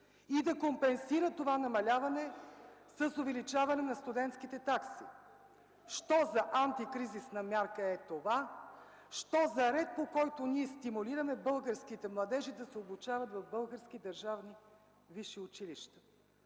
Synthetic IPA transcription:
id̪ɐkompɛnsiɾət̪ovanɐmɐlʲavɐnɛsəsovɛlit͡ʃavɐnɛnɐst̪ud̪ɛnt̪skit̪ɛt̪aksi | ʃt̪ɔzɐʔant̪ikɾizisnɐmʲjaɾkəɛt̪ova | ʃt̪ɔzɐɾɛt̪̚pokɔjt̪oniɛst̪imuliɾɐmɛbɤlˠɡəɾskit̪ɛmlˠɐd̪ɛʒid̪ɐsɛoblut͡ʃavɐt̪vɐvbɤlˠɡəɾsk̟id̪ɐɾʒavni | viʃiʊt͡ʃiliʃt̪ə̥

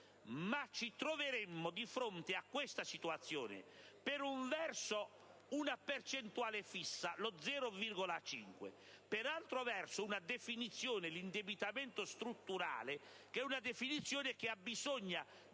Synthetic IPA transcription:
mat͡ʃːit̪ɾoveɾɛmːod̪ifɾont̪eakːwest̪asit̪uat̪sːjɔ̰ːnɪ̰peɾuɱvɛrso | unapert͡ʃɛnt̪uaːlefisːalod̪zːɛːɾovirɡɔlat͡ʃḭŋkwḛ | peɾalt̪ɾovɛrsounad̪efinit̪sːjɔːnɪlind̪ebit̪amɛnt̪ost̪ɾut̪ːuɾa̰ːle | kɛunad̪efinit̪sːjɔːnɪkɪabːizɔɲːa

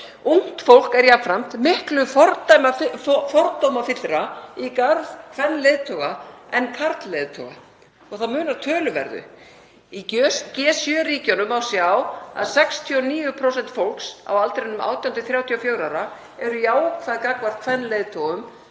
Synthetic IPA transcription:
uŋ̥t̪fowl̥kɛɾjafɾam̥t̪mɪhklʏfɔɾt̪ajmafɔɾt̪owmafɪt̪ːɾaikaɾðkʰv̥ɛnːleːðt̪ʰɔɣaɛnkʰaɾt̪leːðt̪ʰɔ̰ɣa̰ | ɔɣθaðmʏːnaɾ̥t̪ʰœːlʏvɛ̰ɾðʏ̰ | icœscɛːsjœːriːcɔnʏmawsjawa̰ðsɛkst̪ʰiɔniːjʏpʰɾowsɛnt̪fowlksa̰walt̪ɾɪnʏma̰ːwt̪ʰjawnɪθɾjaːwt̪ʰiɔfjœːɥwɾawɾa | ɛɾʏjaːwkʰfajðkakvar̥t̪̚kʰfɛnːlejðt̪ʰɔɣʏm

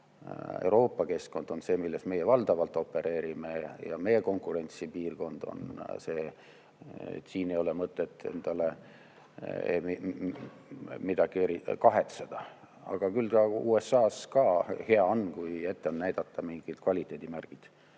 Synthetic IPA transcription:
ḛwɾo̞ːpːˑɑke̞sko̞nd̪̥o̞nse̞ːmilːe̞sme̞jevɑld̪̥ɑvɑlt̪ːˑo̞pːˑe̞ɾʔe̞ːɾimejɑ̰me̞jeko̞ŋkˑuɾe̞nʲt̪sipiːrko̞nd̪̥o̞̰nse̞ː | t̪ːsiːnejo̞lemɤt̪ːˑe̞t̪ˑːe̞̰nd̪̥ɑle̞ | ḛi | mid̪̥ɑɡ̥ieɾikɑɦe̞t̪sed̪̥ɑ | ɑ̰ɡ̥ɑkylt̪ɑṵːe̞sːɑːskɑheɑonːkuje̞t̪ːeo̞nːæjd̪̥ɑt̪ːɑmiŋɡ̥id̪̥kvɑlʲit̪ːˑe̞ːd̪imærɡ̥id̪̥

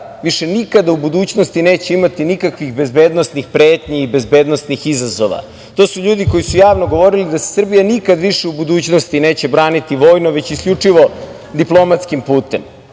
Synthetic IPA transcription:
ʋiʃe̞nikad̪aubud̪uːt͡ɕnost̪ine̞ːt͡ɕeimat̪inikakʋixbe̞zbeːd̪nosnixpɾeːt̪ɲiibe̞zbe̞ːd̪nosnixizazo̞ʋa̰ | t̪o̞ːsuʎuːd̪iko̞jisujaːʋno̞ɡo̞ʋo̞ɾilid̪ase̥sr̩bijanikad̪ʋiʃeubud̪uːt͡ɕnost̪ine̞ːt͡ɕe̞bɾaːnit̪iʋo̞ːjnoʋe̞t͡ɕiskʎut͡ʂiʋo̞ | d̪iplˠo̞mat̪skimpuːt̪em

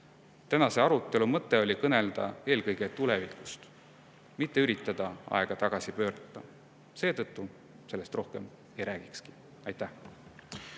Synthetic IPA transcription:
t̪ænɑse̞ɑɾut̪ːˑe̞lumɤt̪ːe̞o̞lʲikɤne̞ld̪̥ɑ̰eːlkɤjɡ̥e̞t̪ule̞vikːˑu̥st̪ | mit̪ːe̞yɾit̪ːˑɑd̪̥ɑɑ̰e̞ɡ̥ɑt̪ɑɡ̥ɑsipø̞ːɾɑt̪ˑːɑ | se̞ːt̪ɤt̪ːu | se̞lːest̪rʔo̞hke̞m | e̞jɾæːɡ̥ikski̥ | ɑjt̪ːˑæh

